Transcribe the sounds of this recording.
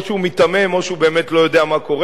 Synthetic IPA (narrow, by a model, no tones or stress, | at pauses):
ʃumit̪amemo̞ʃeube̞ːmetlo̞jo̞deamako̞ʁe